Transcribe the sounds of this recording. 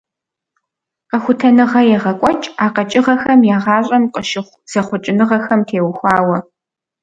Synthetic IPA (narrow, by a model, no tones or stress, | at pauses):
qɐxʷʊtʰɐnɨʁɐjɛʁɐkʷʼɔt͡ʃʼaːqɐt͡ʃʼɪʁɐxɐmjaːʁɑːɕʼɐmqʼəʃɪχʷz̥ɐχʷʊt͡ʃʼɪnɨʁɐxɐmtʰeːwxʷɑːwɐ